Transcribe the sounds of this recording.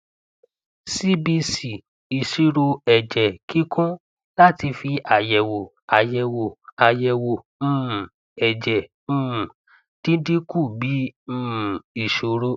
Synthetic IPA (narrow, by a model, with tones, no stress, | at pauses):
si˦bi˧si˨ | i˨ʃi˨˦ɾo˧ɛ˨d͡ʒɛ˨ki˦kɔ̃˦ | la˦ti˧fi˧ʔa˨jɛ˨wo˨ | a˨jɛ˨wo˨a˨jɛ˨wõ˨˦˨ | ɛ˨d͡ʒɛ˨ | ũ˦˨ | d̥ĩ˦di˦ku˦˨bĩ˨˦˨ | i˨ʃo˨ɾo˦